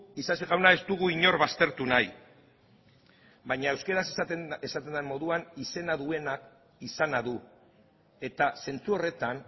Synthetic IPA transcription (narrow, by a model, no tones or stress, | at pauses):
isasiɣawnae̞st̪uɣ̞uiɲo̞ɾβast̪e̞ɾt̪unaj | bajɲaewske̞ɾaseesat̪end̪amo̞ðuanise̞naðue̞nak | isanaðu | e̞t̪ase̞nt͡suo̞re̞t̪an